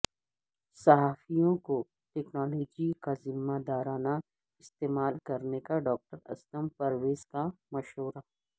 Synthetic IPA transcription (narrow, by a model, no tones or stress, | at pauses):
sɐɦaːfijõko | ʈɛːknɔːloːd͡ʒikazɪmːad̪aːɾaːna | ɪst̪eːmaːlkɐɾnekaɖɔːk̚ʈəɾɐ̰st̪əmpɐɾʋeːz̥kamɐʃɦuːɾa